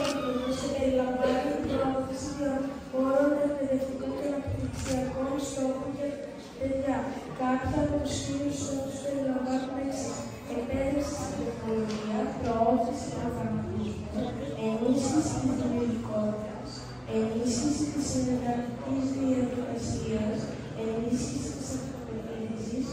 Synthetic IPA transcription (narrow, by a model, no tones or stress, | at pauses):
t̪etoseeɾilɐɱvaniipɾooθisio | boɾond̪ɐekpeðe̞ft̪ikut̪onepliksiɐko̞nst̪o̞xonce | t̪eʝɐkɐθeɐpostinust̪oxuspeɾilɐɱvɐnones | epeðisi̥sit̪oɾkolo̞ʝiɐpɾo̞oθisiofɐnɐtizmoe̞nisçisit̪izðimiot̪iko̞t̪it̪es | e̞nisçisit̪isiðeɣɐlicizðiet̪okesiɐs | e̞nisçisit̪i̥sɐft̪opetisis